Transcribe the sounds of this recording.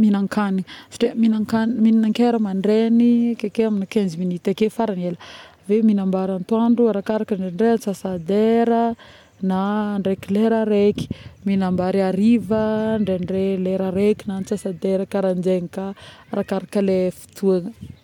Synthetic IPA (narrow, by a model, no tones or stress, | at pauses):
minaŋkanifḁʈ͡ʂeminaŋkanminaŋkeɾəmaɳɖ͡ʐenikekeaminakend͡ʒiminit̪ekefaɾaneləveminambaɾant̪waɳɖ͡ʐuaɾakaɾakəɳɖ͡ʐeɳɖ͡ʐeant͡sasad̪eɾə | naɳɖ͡ʐekileɾaɾeki̥minambaɾiaɾivəɳɖ͡ʐeɳreleɾaɾekinant͡sasad̪eɾəkaɾand͡ʒeŋikaɾʔakaɾakəlefi̥t̪ʰuaŋə